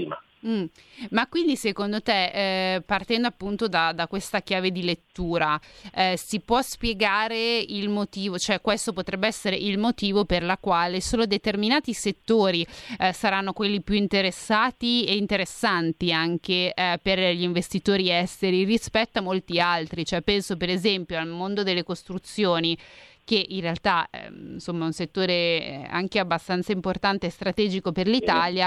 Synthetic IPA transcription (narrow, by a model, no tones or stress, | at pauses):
ima | m̩makwind̪isekond̪ot̪epart̪ɛnd̪oapːunt̪od̪ad̪akwest̪ak̟jaːved̪ilet̪ːuːɾa | sipwɔspjeɡaːɾeilmot̪iːvot͡ʃoɛkːwest̪opot̪ɾɛbːeɛsːeɾeʔilmot̪iːvoperlakwaːlesoːlod̪et̪erminaːt̪iset̪ːoːɾisaɾanːokwelːipjuint̪eɾesːaːt̪ieint̪eɾesːant̪iaŋkeperʎiɱvest̪it̪oːɾiɛst̪eɾirispɛt̪ːoamːolt̪ialt̪ɾit͡ʃoɛpːɛnsopeɾezɛmpjoalmond̪od̪elːekost̪ɾut̪sːjoːnik̟eʔinrealt̪a̰nsomːaɛunset̪ːoːɾea̰ŋkeabːast̪ant̪saimport̪ant̪eːst̪ɾat̪ɛːd͡ʒikoperlit̪aːlja